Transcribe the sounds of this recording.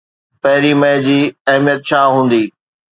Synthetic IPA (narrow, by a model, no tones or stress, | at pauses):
pɐɦɪɾimɐẽd͡ʑiːɐɦmijət̪ʃʰaːɦũːn̆d̪iː